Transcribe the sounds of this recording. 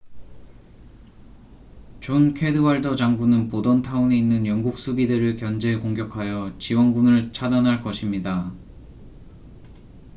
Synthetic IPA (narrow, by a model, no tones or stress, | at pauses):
t͡ɕonkʰe̞dɯwaɭdʌd͡ʑaŋɡunɯnpodʌntʰaune̞inːɯnjʌŋɡuk̚s͈ubideɾɯɭkjʌnd͡ʑe̞koŋɡjʌkʰajʌt͡ɕiwʌnɡunɯɭt͡ɕʰadanɦaɭk͈ʌɕʰimɲida